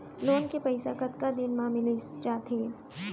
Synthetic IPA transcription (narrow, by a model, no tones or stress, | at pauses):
loːnkepɐɪsakɐt̪kad̪ɪnmãːmɪlet͡ʃaːt̪eː